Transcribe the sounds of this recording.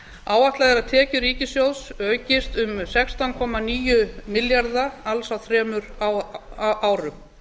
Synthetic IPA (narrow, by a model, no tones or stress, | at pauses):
aːwaht̪laðɛɾaðt̪ʰɛːcʏɾiːcɪsjowðsœːɥcɪst̪ʏmsɛkst̪awnkʰɔːmaniːjʏmɪljaɾðaalsawθɾɛːmʏɾawʔaːwɾʏm